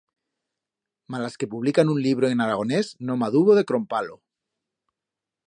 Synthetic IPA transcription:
malaske̞puβ̞likanunliβ̞ɾoenaɾaɣ̞o̞ne̞znomaðuβoðe̞kɾompalo

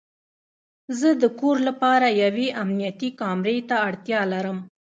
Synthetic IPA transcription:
zəd̪əkoɾlapɑɾajaweʔamnijat̪ikɑmɾet̪aːɽt̪jɑlaɾəm

